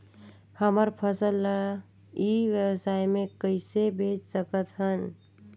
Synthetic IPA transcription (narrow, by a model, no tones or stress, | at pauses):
həməɾpʰəsəlːə | iʋjəwsajmekəɪsebet͡ʃsəkət̪ɦən